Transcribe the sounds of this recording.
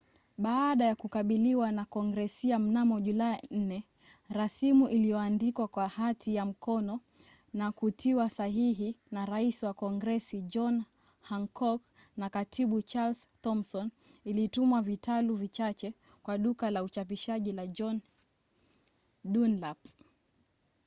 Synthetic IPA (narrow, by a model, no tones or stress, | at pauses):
ɓaːɗajakukaɓiliwanakɔŋɡɾɛsiam̩namɔʄulain̩nɛ | ɾasimuʔilijɔandikwakwahatʰijam̩kɔnɔ | nakutʰiwasaɦiɦinaɾaisiwakɔŋɡɾɛsid͡ʒɔn | haŋkʰɔk | nakatʰiɓut͡ʃalstɔmsɔn | ilitumwavitaluvit͡ʃat͡ʃɛ | kwaɗukalaut͡ʃap̬iʃaʄilad͡ʒɔn | ɗunlap